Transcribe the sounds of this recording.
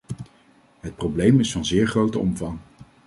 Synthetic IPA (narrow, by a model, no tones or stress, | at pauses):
ɦət̚prowblejmɪsfɑnzɪːɹχrowtəɔmvɑŋ